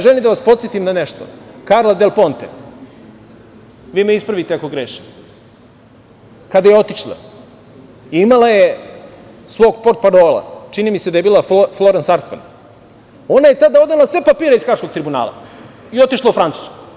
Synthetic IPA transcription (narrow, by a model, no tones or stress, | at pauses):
ʒelimd̪aʋaspot̪sit̪imnaneʃt̪o̰kaɾlˠad̪elˠpo̞nt̪e | ʋiːmeispɾaʋit̪eako̞ɡɾeːʃi̥ | kad̪ajeo̞t̪iʃlˠa̰ | iimalaje | sʋo̞ːɡpo̞ɾt̪̚paɾo̞ːlˠa̰t͡ʃinimised̪ajebiːlˠafflo̞ɾansaɾt̪ma̰n | o̞najet̪ad̪ao̞d̪alˠasʋepapiːɾeiskɾaʃko̞ɡ̚t̪ɾibuna̰ːlˠa̰ | io̞t̪iʃlˠaufɾantsu̥sku̥